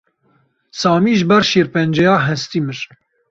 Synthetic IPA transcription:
sɑːmiːʒɨbɛɾʃiːɾpɛnd͡ʒɛjɑːɦɛst̪imɨɾ

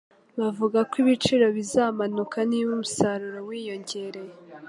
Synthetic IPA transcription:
βavuɡakwiβit͡ʃiɾo̞βizaːmanukʰaniwumusaɾuɾo̞wiːjo̞ɲɟe̞ɾe̞je

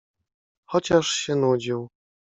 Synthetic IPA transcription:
xɔt͡ɕaʂɕɛnud͡ʑiw

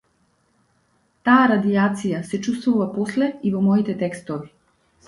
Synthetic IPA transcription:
t̪aːɾad̪iat̪sijasɛt͡ʃust̪vuvapɔslɛivɔmɔit̪ɛt̪ɛkst̪ɔvi

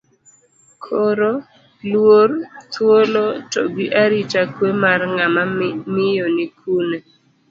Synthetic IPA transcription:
kʰoɾo | lwort̪wolotoɡiʔaɾit͡ʃakwemarŋamamɪjonikʰune

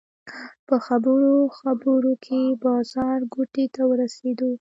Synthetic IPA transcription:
pəxabəɾoxabəɾokʰebɑzɑɾɡoʈet̪awəɾased̪o

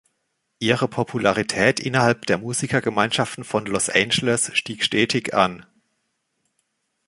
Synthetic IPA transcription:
ʔiːʁəpʰɔpʰulaʁitʰɛːtʔɪ̰nɐhalp̚d̥eːɐmuːzikɐɡəmaɪnʃaftn̩fɔnlɔsʔɛnd͡ʒələsʃtiːkʃtɛːtʰɪçʔa̰n

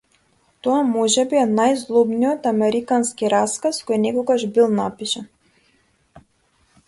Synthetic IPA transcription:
t̪ɔamɔʒɛbiɛnajzlˠɔbnijɔt̪amɛɾikanskiɾaskaskɔjnɛkɔɡaʒbilˠnapiʃan

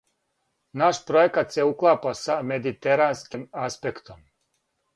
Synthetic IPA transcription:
naʃpɾojekat̪seuklˠaːpasame̞d̪it̪eɾaːnskimaspekt̪om

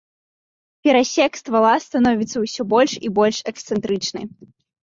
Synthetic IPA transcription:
pʲɛɾasʲɛkst̪valˠast̪anɔvʲit̪sːɐwsʲɔbɔlʲʂibɔlʲʂɛkst̪sɛnt̪ɾɨt͡ʂnɨ̰j

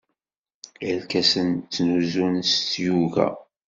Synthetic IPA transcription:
əlkæsənt͡sːnuzunst̪juvæ̰

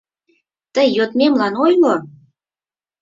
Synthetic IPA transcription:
t̪əjːot̪memlɑnojlo

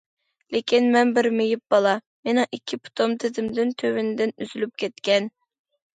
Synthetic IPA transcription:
lekʲinmɛnbɪɾmejip̚b̥ɑlˠɑ | menɪ̃ŋikʲʰːipʰʊ̥t̪ʰomt̪ʰɪzɪmd̪ɪnt̪ʰøwynɪd̪ɪnyzylyp̚kʲɛt̪kʲɛn

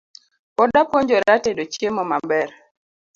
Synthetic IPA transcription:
pɔdapoɲd͡ʒɔɾatedot͡ʃemɔmambɛɾ

